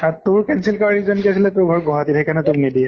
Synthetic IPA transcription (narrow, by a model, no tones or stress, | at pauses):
at̪ʊɹkɛnsilkaɹɹizɔnkiasilɛt̪ʊɹɡʱɔɹɡʱɔɦat̪it̪ʰɛkʰanɛt̪ʊɹnidi